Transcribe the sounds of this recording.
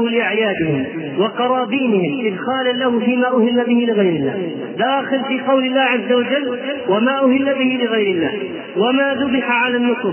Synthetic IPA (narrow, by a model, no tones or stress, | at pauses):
ʊlɪʔaʕjaːd̪ɪhɪm | wɑqɑɾˤɑːbiːnɪhɪmʔɪd̪xaːlanlahʊfiːmaːʔʊhɪlːabɪhɪlɪɣajɾɪlːa̰ː | d̪aːxɪlfiːqɑwlɪlːaːhʕazːawad͡ʒalːwamaːʔʊhɪlːabɪhɪlɪɣajɾɪlːa̰ːh | wamaːðʊbɪħaʕalanːʊsˤʊf